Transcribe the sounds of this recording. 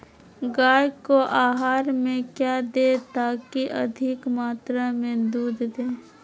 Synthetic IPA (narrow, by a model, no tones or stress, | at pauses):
ɡaːjkoʔaːɦaːɾmẽkjaːd̪et̪aːkiʔɐ̰d̪ʱɪkmaːt̪ɾamẽd̪uːd̪ʱd̪eː